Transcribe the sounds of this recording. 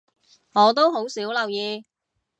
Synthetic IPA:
ŋɔː˨˧t̪̬o˥wɦo˨˥wsiː˨˥wlɐ˨wjiː˧

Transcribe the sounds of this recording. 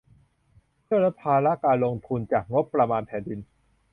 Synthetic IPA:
pʰɯ˥˩əɾa˦˥pʰaː˧la˦˥kaː˧nlo˧ŋt̪ʰu˧nt͡ɕaː˨˩k̚ŋo˦˥pːɾa˧maː˧npʰɛː˩˦ndi˧n

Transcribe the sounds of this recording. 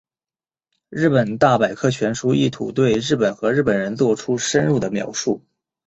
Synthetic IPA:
ɻɻ̩˥˩pə˨˩nt̪a˥˩pa˨˩ɪkʰɤ˥˩t͡ɕʰɥɛ˧˥nʂu˥i˥˩t̪ʰu˨˩t̪we˥˧ɪɻɻ̩˥˩pə˨˩nxɤ˧˥ɻ̩˥˩pə˨˩nɻə˧˥nt͡swɔ˥˩ʈ͡ʂʰu˥ʂə˥nɻu˥˩d̪ə˩mjɑ̰˧˥ʊʂu˥˩

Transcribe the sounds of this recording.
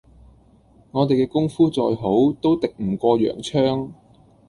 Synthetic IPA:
ŋɔː˨˧t̪e˨jkɛː˧kʊ˥ŋfuː˥t͡ʃɔː˧jɦo˨˥wt̪o˥wt̪ɪ˨k̚m̩˨˩kʷɔː˧jœ̰ː˨˩ŋt͡ʃʰœː˥ŋ

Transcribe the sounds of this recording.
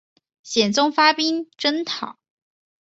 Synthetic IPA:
ɕjɛ˨˩nt͡sʊ˥ŋfa˥pi˥nʈ͡ʂə˥nt̪ʰɑ˨˩˦

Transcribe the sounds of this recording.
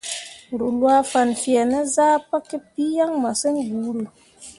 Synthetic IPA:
ɾu˨lwa˦fa˨nfi˨a˨nə˦zaː˦pa˦ke˦pi˦ja˦ŋma˨sə˦nɡu˨˦ɾi˨

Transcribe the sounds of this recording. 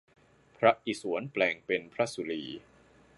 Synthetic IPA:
pʰɾa˦˥ʔi˨˩su˩˦ənplɛː˨˩ŋpe˧npʰɾa˦˥su˨˧liː˧

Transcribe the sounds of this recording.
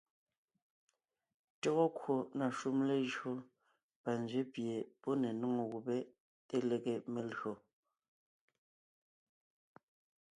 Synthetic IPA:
to˦ɣo˦kwo˨na˨ʃu˦mle˦ʒo˦ | pa˨n˨zɥe˦pje˨pɔ˦ne˨nɔ˦ŋo˨ɣu˨pe˦ | te˦le˨ɣe˦me˨lɰo˨

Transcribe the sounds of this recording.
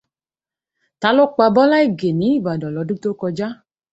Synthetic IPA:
ta˨˧˦lo˦k͡pa˧bɔ˦la˦i˦˨ɡe˨nĩ˨˦i˦˨ba˨dɔ˨lɔ˨˧˦du˦to˦kɔ˧d͡ʒa˦

